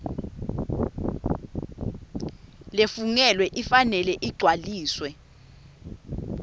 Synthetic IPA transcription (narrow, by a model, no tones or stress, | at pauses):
lefuŋɛlwɛʔifanɛlɛʔiɡ͡ǀʱwaliːswɛ